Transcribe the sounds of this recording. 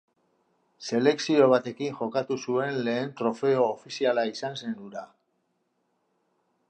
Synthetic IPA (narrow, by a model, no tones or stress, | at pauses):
se̞le̞ksio̞β̞at̪e̞kiŋʝo̞kat̪usue̞nle̞ːnt̪ɾo̞fe̞o̞ːfisialaisanse̞nd̪uɾa